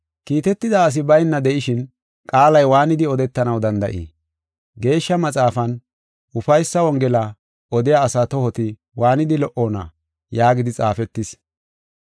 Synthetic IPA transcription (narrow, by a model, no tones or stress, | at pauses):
kiːt̪ɛt̪ːɪd̪aːs̬ɪbɐjnːɐd̪ɛʔɪʃɪn | kʼaːlɐjwaːnɪd̪ɪɔd̪ɛt̪ːɐnɐwd̪ɐnd̪ɐ̰ʔḭː | ɡe̞ːʃːɐmɐt͡sʼaːfɐn | ʊfɐjsːɐwɔŋɡɛlɐ | ʔɔd̪ɪjaːsaːt̪ɔhɔt̪ɪ | waːnɪd̪ɪlɔʔoːnɐ̰ | jaːɡɪd̪ɪt͡sʼa̰ːfɛt̪ːɪs